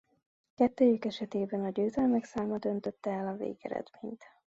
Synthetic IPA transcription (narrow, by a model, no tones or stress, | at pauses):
kɛt̪ːøːjykɛʃɛt̪eːbɛnɒɟøːzɛlmɛksaːmɒd̪ø̞nt̪ø̞t̪ːɛɛlɒvḛːɡɛ̰ɾɛ̰d̪meːɲt̪